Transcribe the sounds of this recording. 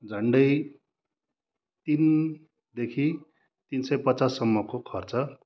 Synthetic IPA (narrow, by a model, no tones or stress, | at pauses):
d͡zʱʌɳɖʌj | t̪in | d̪ekʰi | t̪insʌjpʌt͡sasːʌmːʌkokʰʌrt͡sʌ